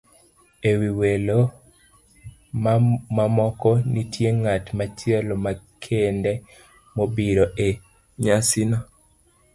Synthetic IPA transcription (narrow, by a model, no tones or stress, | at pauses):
ewiwelo | mmamɔkɔnitjeŋatmat͡ʃjɛlɔmakʰendɛ | mobiɾoʔe | ɲasinɔ